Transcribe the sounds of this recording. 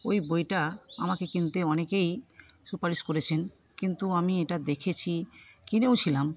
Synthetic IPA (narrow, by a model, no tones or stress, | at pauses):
ojbojʈaa̰makekint̪eɔnekej | supaɾiʃkoɾet͡ɕʰen | kint̪uamieʈad̪ekʰet͡ɕʰikinewt͡ɕʰilam